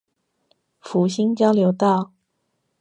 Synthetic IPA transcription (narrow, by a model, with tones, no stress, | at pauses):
fu˨˧˦ɕi˥ŋt͡ɕjɑ˥ʊljo˧˥ʊt̪ɑ˥˨ʊ